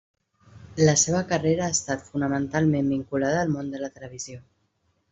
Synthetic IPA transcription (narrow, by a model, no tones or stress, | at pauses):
ləseβ̞əkəreɾəːst̪at̪funəmənt̪alˠmembiŋkulaðəːlˠmond̪ələt̪ələβ̞izio